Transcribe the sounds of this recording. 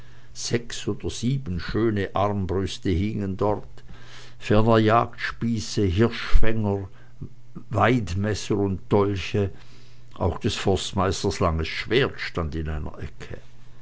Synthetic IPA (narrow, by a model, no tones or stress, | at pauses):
z̥ɛksoːd̥əz̥iːbənʃøːnəʔaʁmbʁʏstəhɪŋəndɔʁt | fɛʁnəjaːktʃpiːsəɦɪʁʃfɛŋəʁ | vaɪtmɛsəʁʊntd̥ɔlçə | ʔa̰ʊxd̥ɛsfɔstmaɪstəslaŋəsʃv̥eːɐtʃtandɪnaɪnɐ̰ʔɛkʰə̰